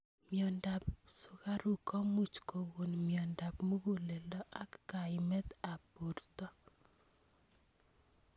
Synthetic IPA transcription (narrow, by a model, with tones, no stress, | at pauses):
mjɔ˨nda˨psʊ˨ka˦ɾu˨kʰɔ˦mu˦t͡ʃko˨wo˨nmjɔ˨nda˨pmu˦ɡu˦lɛ˨lɔ˦ʔa˦kːa˨ɪmɛ˦t̪a˨pu˨rt̪ɔ˦